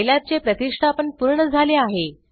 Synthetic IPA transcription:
jljat͡sepɾət̪iʂʈʰaːpəɳpuɾɳəd͡zʱaleaɦe

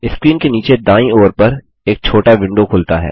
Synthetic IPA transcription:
ɪskɾiːnkeniːt͡ʃed̪aːĩoːɾpɐɾ | eːk̚t͡ʃʰoːʈaʋɪ̃ɳɖokʰʊlt̪aɦɛ̰ː

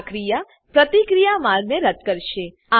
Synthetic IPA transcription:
kɾija | pɾət̪ikɾijamaɾɡneɾəd̪̚kəɾʃe | a

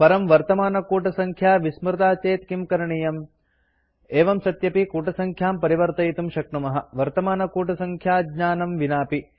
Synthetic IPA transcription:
pɐɾɐmʋɐɾt̪ɐmaːnɐkuːʈɐsɐŋkʰjaːʋismɾɐt̪aːt͡ʃeːt̪kimkɐɾɐɳijɐm | eːʋɐmsɐt̪jɐpikuːʈɐsɐŋkʰjaːmpɐɾiʋɐɾt̪ɐjit̪umʃɐk̚ʈɐmɐɦɐʋɐɾt̪ɐmaːnɐkuːʈɐsɐŋkʰjaːɡɲaːnɐmʋinaːpi

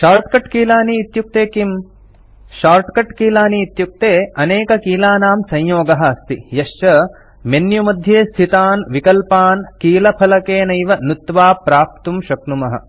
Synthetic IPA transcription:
ʃaːɾʈkɐʈkiːlaːniːt̪juk̚t̪eːkim | ʃaːɾʈkɐʈkiːlaːniːt̪juk̚t̪eːɐneːkɐkiːlaːnaːmsɐ̃jjoːɡɐɦɐɐst̪ijɐʃt͡ʃɐ | menjumɐd̪ʱjeːst̪ʰit̪aːnʋikɐlpaːnkiːlɐpʰɐlɐkeːnɐjʋɐnut̪ʋaːpɾaːp̚t̪umʃɐknumɐɦɐ̰

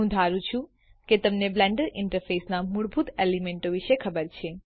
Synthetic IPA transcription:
ũd̪ʱaɾũt͡ʃʰũ | ket̪əmneblɛɳɖəɾɪ̃ɳʈəɾfesnamuɭbʱut̪elimẽɳʈoʋiʃekʰəbəɾt͡ʃʰe

